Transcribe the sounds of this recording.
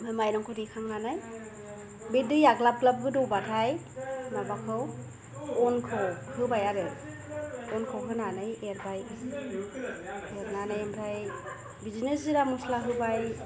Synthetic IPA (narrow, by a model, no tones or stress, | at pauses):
mɯmajnɔŋkʰɔdikʰaŋnanaj | bidɯjaɡlab̚klab̚ɡɯdɔwbatʰajnabakʰɯw | ɔnkʰɯwhɯbajaɾɯ | ɔnkʰɯwɦɯnanɯjeɾbaj | eɾnanajmɾaj | bizinesiɾamuslaɦɯbaj